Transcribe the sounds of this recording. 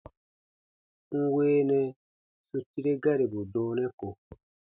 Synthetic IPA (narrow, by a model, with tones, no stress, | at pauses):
ŋ̩˦weː˦nɛ̃˧ | su˧ti˦ɾe˦ɡa˦ɾe˨bu˨dɔː˦nɛ̃˦ko˨